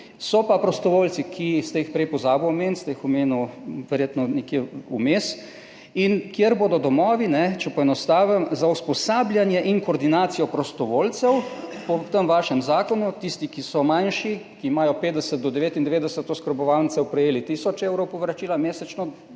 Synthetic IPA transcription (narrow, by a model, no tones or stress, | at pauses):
sɔpapɾɔst̪ɔʋoːlt̪sikʰist̪ɛjixpɾɛjpɔzaːbuɔmeːnst̪ɛjixɔmeːnuʋɛɾjeːt̪nɔnɛkjeumeːs | inkjeɾboːd̪ɔd̪ɔmɔːʋinɛt͡ʃɛpɔɛnɔst̪aːʋəmzauspɔsaːblʲjanjɛʔiŋkoːɾd̪inaːt̪sijɔpɾɔst̪ɔʋoːlt̪sɛwpɔt̪əmʋaːʃɛmzaːkɔnut̪ist̪ikisɔmajnʃikiːmaːjɔpeːt̪d̪ɛsət̪̚d̪ɔd̪ɛʋeːt̪ind̪ɛʋeːd̪ɛsət̪ːoskəɾbɔʋawnt̪sɛwpɾɛjeːlit̪isɔt͡ʃɛwɾowpɔʋɾat͡ʃiːlameːsɛt͡ʃnɔ